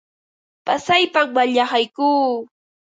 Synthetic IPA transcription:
pasajpammaʎɑχajkuː

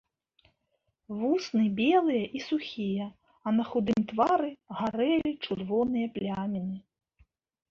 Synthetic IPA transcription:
vusnɨbʲɛlˠɨjɐʔisuxʲijɐ | ɐnɐxud̪ɨmt̪vaɾɨɣaɾɛlʲit͡ʂurvɔnɨjɐplʲamʲɛnɨ

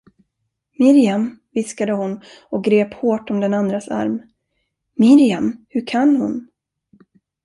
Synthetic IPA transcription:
mɪɾɪamvɪskad̪əhʊn | ɔk̚ɡɾeːphoːʈɔmd̪ɛnand̪ɾasa̰ɾm | mɪɾɪamhɵɾkʰanːhʊn

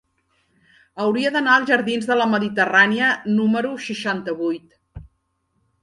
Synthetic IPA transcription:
əwɾiəðənaəlˠʒəɾðinzðələməðit̪əraniənuməɾuʃiʃant̪əβujt̪

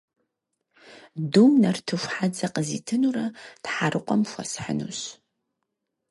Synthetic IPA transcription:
dumnɐrtʰɨɕʷħad͡zɐqəzḭːtʰɨnurɐtħaɾɨqʷʼɔmxʷɐ̰sħə̰nṵɕ

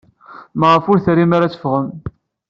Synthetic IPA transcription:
məʁəfʊɾθɾimaɾat͡sə̥fʁəm

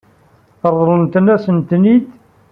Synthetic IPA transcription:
əɾˤðˤɾˤənt̪ənæsənt̪nid̪

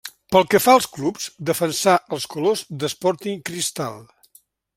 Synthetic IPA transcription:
pəlˠkəfaəlˠsklupz̥d̪əfənsaʔəlˠskulozd̪əspɔɾt̪iŋkɾist̪a̰lˠ

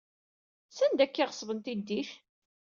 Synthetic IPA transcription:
sænd̪ækːiʁəsˤvənt̪id̪ːiʃ

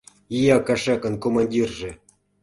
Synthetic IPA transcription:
ijɑkaʂɑkɤ̆nkomɑnʲdʲirʐĕ

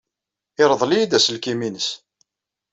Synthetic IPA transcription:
ɪɾˤəðˤlijid̪æsəlkiminəs

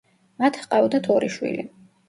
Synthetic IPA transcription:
mat̪ʰqʼavd̪at̪ʰɔɾiʃwḭli

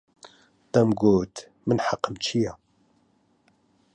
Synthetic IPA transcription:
t̪ɐmɡoːt̪ | mɨnħaqːəmt͡ʃʰija

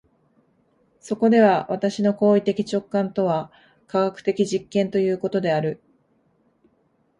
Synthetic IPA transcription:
so̞ko̞d̪e̞βaβat̪aɕino̞ko̞ːit̪e̞kʲi̥t͡ɕo̞kːãnt̪o̞β̞a | kaɡakɯ̟̥t̪e̞kʲiʑikːẽnt̪o̞jɯ̟ːko̞t̪o̞d̪e̞aɾɯ̟

